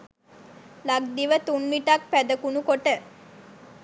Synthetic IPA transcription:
laɡ̚d̪iʋət̪unmiʈak̚pæd̪əkunukoʈə

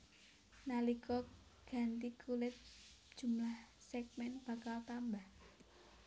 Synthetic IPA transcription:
nalikɔ | ɡ̥ä̤nt̪ikʰulɪt̪̚d̥ʒ̥ṳmlahsɛk̚mɛnb̥ä̤kalt̪ambah

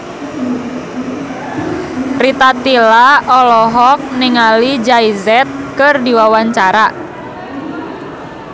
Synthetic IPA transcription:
rit̪at̪ilaɔlɔɦɔk̚niŋalid͡ʒaizɛt̪̚kərdiwawaɲt͡ʃaɾa

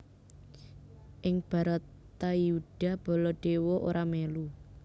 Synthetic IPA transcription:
ʔɪŋb̥a̤ɾət̪ː | ajuɖ̥a̤b̥ɔ̤lɔɖ̥e̤wɔʔoɾʔamelu

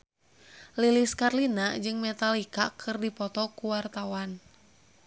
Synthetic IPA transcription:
liliskarlinad͡ʒɨŋmɛt̪alikakʰɨrdipɔt̪ɔkuwart̪awan

